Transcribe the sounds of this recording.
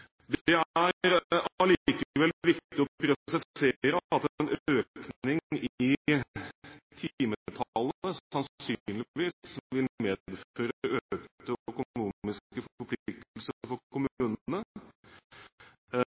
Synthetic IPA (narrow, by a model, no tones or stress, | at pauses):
d̪ɛæɾɾlikəəʋɛlʋɪkt̪ɪɔpɾɛsɛɪeɾəɑt̪ːɛɛnøːknɪŋɪ | t̪ʰiːmət̪ʰɑlːəɑnsynlɪʋiːsʋɪlmeːd̪føːɾəøk̪t̪əœkʊnuːmɪskəfɔɔɾpʰlɪk̚t̪əlsəfɔɾkʰʊmʉːnnə